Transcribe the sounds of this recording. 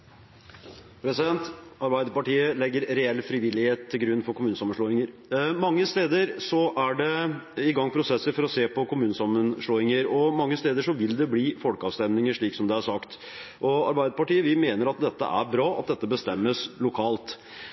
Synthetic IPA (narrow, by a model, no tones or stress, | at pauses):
pʰɾɛsɪd̪ɛnt̪ɑɾbæɪd̪əɾpɑʈiːəlɛɡːəɾɾɛɛlːfɾɪʋɪlːɪheːt̪ʰːɪlɡɾʉnːfɔɾkʰʊmʉːnsɑmənʂɭoːɪŋəɾ | mɑŋːəst̪eːd̪əɾsɔʔæɖɛɪɡɑŋːpʰɾʊsɛsːəɾfɔɾɔseːpʰɔkʊmʉːnəsɑmːənʂɭoːɪŋəɾɔmɑŋːəst̪eːd̪əʂɔʋɪld̪ɛbliːfɔlkəɑːʋst̪ɛmnɪŋəʂɭiːksɔmd̪ɛæʂɑkt̪ | ʔɔɑ̰ɾbæɪd̪əɾpɑʈiːəʋɪmeːnəɾɑt̪̚d̪ɛt̪ːə̰ʔæ̰ɾbɾɑːɑ̰t̪̚d̪ɛt̪ːəbəst̪ɛmːəslʊkʰɑːlt̪